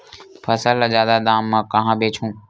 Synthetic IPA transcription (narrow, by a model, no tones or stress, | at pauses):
pʰəsələd͡ʒaːd̪aːd̪aːmːãːkəɦãːbeːt͡ʃʰũː